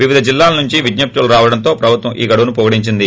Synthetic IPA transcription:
ʋiʋid̪ʱɐd͡ʒilːaːlɐnuɲt͡ʃiʋiɡ̪nɐp̚t̪uluɾaːʋɐɽɐnt̪o̞ːpɾɐbʱut̪ʋɐmʔiːɡɐɽuʋɐnupɔɡɐɽiɲt͡ʃind̪i

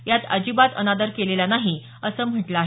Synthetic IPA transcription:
jat̪əd͡ʑibat̪ə̰nad̪əɾkeleljanaɦi | əsəːm̤əʈləaɦe

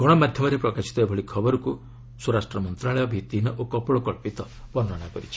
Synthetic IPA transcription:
ɡ̥ɔɽ̃ɔmad̪ʱjɔmɔɾepɾɔkasi̥t̪ɔebʱɔɭikʰɔbɔɾɔku | suɾasʈɾɔmɔnt̪ɾaɭɔjɔbʱit̪inɔʔokɔpɔɭɔkɔɭpit̪ɔ | bɔnːɔɽ̃akɔɾit͡ʃʰi̥

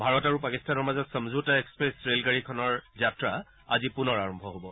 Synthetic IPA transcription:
bʱaɹɔtaɹupakistanɔɹmazɔtsəmzutaekspɹesɹelkaɹikʰɔnɔɹzatɹa | azipunɔɹaɹɔmbʱɔɦobɔ

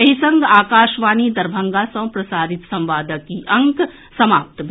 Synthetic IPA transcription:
ɐɦisɐ̃ŋɡaːkaːʃʋaːnid̪ɐɾbʱəŋɡasɐ̃w̃pɾɐsaːd̪ɪt̪sɐ̃mʋaːd̪əkːiʔɐ̃ŋk | sɐmaːp̚t̪bʱ

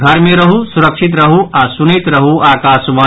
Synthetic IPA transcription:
ɡʱɐɾmẽɾɐɦusuɾɐkʃit̪̬ɾɐɦuʔasunit̪ɾɐɦuʔaːkaːsʋɐ

